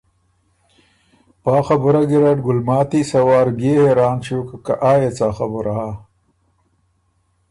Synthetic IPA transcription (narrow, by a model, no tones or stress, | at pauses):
paːxɐbuɾaɡiɾaʈɡʊlmaːt̪isɐwɑːɾbeːheɾaːnɕoːkakaʔaːjet͡saːxɐbʊɾaa